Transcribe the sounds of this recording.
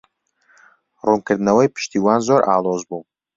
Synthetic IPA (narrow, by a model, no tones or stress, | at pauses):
runkɨɾd̪ɨnɐwɐjpʰɨ̥ʃt̪iːwaːnzoɾʔa̰ːlˠoːzbuː